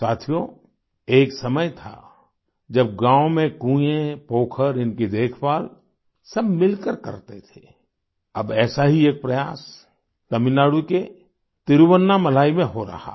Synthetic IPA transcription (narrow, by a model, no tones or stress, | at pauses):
saːt̪ʰijo | eːksɐməjt̪ʰa̰ | d͡ʒɐb̚ɡãːõmẽkũːjẽpoːkʰəɾɪnked̪eːkʰpaːl | sɐbmɪlkəɾkɐ̰ɾt̪et̪ʰe | ɐ̰bɛːsaɦieːk̚pɾɐjaːs | t̪ɐmɪnaːɽuke | t̪ɪɾuwənːamɐl̤aːimẽɦoɾɐ̰ha̰